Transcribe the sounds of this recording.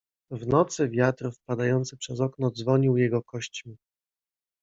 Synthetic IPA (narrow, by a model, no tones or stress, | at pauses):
vnɔt̪sɘvʲjat̪ɾfpad̪ajɔnt̪sɘpʂɛzɔknɔd̪zvɔɲiwjɛɡɔkɔɕt͡ɕmʲi